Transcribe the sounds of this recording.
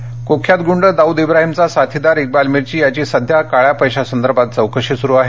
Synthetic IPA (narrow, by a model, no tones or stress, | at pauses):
kokʰjat̪ɡuɳɖəd̪auːd̪ibɾaɦimt͡sasat̪ʰid̪aɾik̚balmiɾt͡ɕiːjat͡ɕiːsəd̪ʱjakaɭjapəjɕasənd̪əɾbʱat̪̚d͡zəwkəʂisuɾuːaɦe